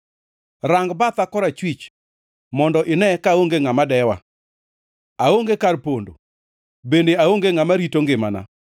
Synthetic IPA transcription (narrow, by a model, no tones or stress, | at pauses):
raŋɡbat̪akɔɾat͡ʃwit͡ʃ | mɔndɔʔɪnɛkaoŋɡeŋamadɛwa̰ | aoŋɡekarpondo̰ | bendeaoŋɡeŋamaɾitoŋɡɪma̰na̰